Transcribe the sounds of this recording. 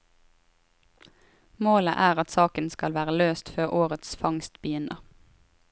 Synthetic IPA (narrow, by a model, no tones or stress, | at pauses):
moːlə̰ʔæːʁɑt̪sɑːkənskɑlʋæːʁəløːst̪føːʁʔoːʁət̪sfɑŋst̪bəjʏnəʁ